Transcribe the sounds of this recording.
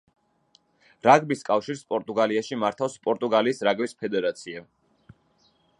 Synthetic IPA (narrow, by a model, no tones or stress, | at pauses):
ɾaɡbiskʼafʃiɾspʼɔɾt̪ʼuɡaliaʃimaɾt̪ʰafspʼɔɾt̪ʼuɡaliːsɾaɡbispʰɛd̪ɛɾat̪sʰia